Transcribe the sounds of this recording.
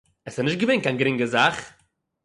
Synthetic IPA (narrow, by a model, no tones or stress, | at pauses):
ɛsɛnɪʃtɡəveɪnkanɡɾɪŋɡəzaχ